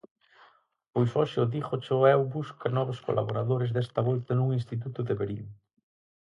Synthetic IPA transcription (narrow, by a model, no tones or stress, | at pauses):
pojsoʃɪʊðiχot͡ʃoɛwbuskanɔβosko̰lʔa̰βoɾaðoɾezðɛst̪ɐβolt̪ɐnuŋinst̪it̪̬ut̪ʊðeβeɾiŋ